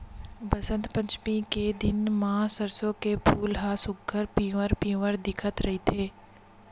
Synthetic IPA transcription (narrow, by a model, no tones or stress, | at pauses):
bɐsə̃nt̪pə̃ɲt͡ʃpiked̪ɪnmãsəɾsõkepʰuːlɦasʊɡːəɾpiːʋəɾpiːʋəɾd̪ɪkʰət̪ɾɐɦit̪ʰeː